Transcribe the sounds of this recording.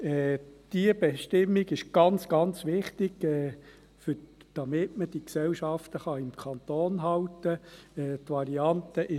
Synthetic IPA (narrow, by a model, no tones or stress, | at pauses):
ɛːd̥iəb̥ɛʃtɪmːiɡɪʃɡ̥ɑnt͡sɡ̥ɑnt͡sʋɪχtɪɡ̥ɛː | fʏd̥ɑmɪtməd̥iksɛlʃɑft̪əχɑɪmkʰɑnt̪oːnɦɑwtəɛːt̪ʋɑɾiɑnt̪əʔɪ